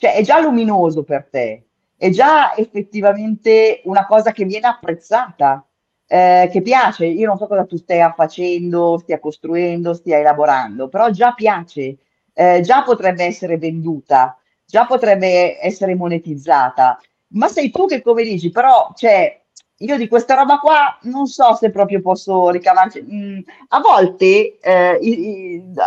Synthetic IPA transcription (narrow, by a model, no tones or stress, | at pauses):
t͡ʃoɛʔɛd͡ʒalːuminoːzopert̪e | ɛd͡ʒaefːet̪ːivament̪eunakɔːzak̟evːjɛːneapːɾet̪sːaːt̪a | k̟epːjaːt͡ʃeiːonõnsɔkːɔzat̪ust̪ajafat͡ʃɛnd̪ost̪iakost̪ɾuɛnd̪ost̪iaelaboɾa̰nd̪opeɾɔd͡ʒapːjaːt͡ʃe | d͡ʒapːot̪ɾɛbːeɛsːeɾevend̪uːt̪a | d͡ʒapːot̪ɾɛbːeɛsːeɾemonet̪id̪zːaːt̪a | masːɛjt̪uk̟ekːomed̪iːt͡ʃipeɾɔt͡ʃoɛ | iːod̪ikwest̪aɾɔːbakwanonsɔsepːɾɔːpɾjopɔsːorikavaɾt͡ʃi | avːɔlt̪e